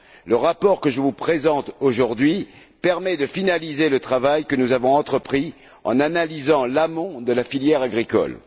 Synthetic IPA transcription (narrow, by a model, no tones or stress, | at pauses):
ləʁapɔʁkəʒəvupχezɑ̃t̪oʒuʁd̪ɥi | pɛʁmɛd̪əfinalizelət̪χavajkənuzavɔ̃ɑ̃t̪χəpχi | ɑ̰̃nanalizɑ̃lamɔ̃d̪əlafiljɛʁaɡʁikɔ̰l